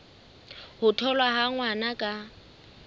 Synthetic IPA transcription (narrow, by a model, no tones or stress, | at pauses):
hʊtʰɔlwaɦaŋwanakʼa